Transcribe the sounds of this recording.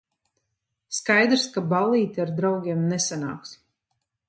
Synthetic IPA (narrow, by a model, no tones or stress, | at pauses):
skajd̪ɾskabalˠiːt̪ʲiaɾd̪ɾawɡʲeɛmnɛsana̰ːks